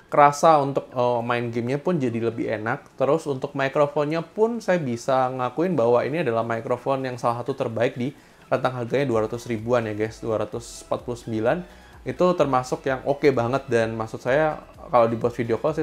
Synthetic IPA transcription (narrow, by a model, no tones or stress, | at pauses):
kəɾasaunt̪ʊk̚əmaɪnɡɛmɲapʊnd͡ʒadiləbɪhḛnak̚t̪əɾʊsunt̪ʊk̚maikɾofɔnɲapʊnsajabisaakuɪnbaɦwainiadalahmaikɾofɔnjaŋsalasat̪ut̪ərbaɪk̚di | ɾant̪aŋɦarɡaɲaduaɾat̪ʊsɾibuanjaɡasduaɾat̪ʊsə̥pat̪̚pulʊhsəmbilan | it̪ut̪ərmasʊkjaŋʔokebaŋət̪̚danmaksʊt̪̚saja | kalawdibuat̪̚fideokɔs